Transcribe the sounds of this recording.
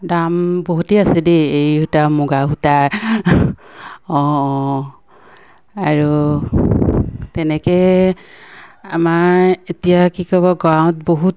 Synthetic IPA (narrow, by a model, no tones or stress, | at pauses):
damboɦuteasɛdiejutamuɡaɦutaɹ | ɔ̃ | aɹu | tɛnɛkɛ | amaɹetijakikɔbɔɡɹaw̃t̚boɦut